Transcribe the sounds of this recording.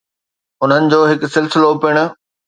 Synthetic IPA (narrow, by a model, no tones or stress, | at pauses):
ʊn̤ənɪ̆d͡ʑoːɦɪksɪlsɪlopɪɽ̃ʊ̆